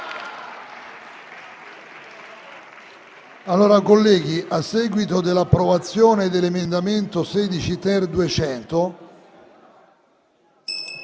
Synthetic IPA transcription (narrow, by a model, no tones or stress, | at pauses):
alːoːɾakolːɛːɡiʔasːɛːɡwit̪od̪elːapːɾovat̪sːjoːned̪elemend̪ament̪osɛːd̪it͡ʃit̪ɛrd̪uet͡ʃɛnt̪o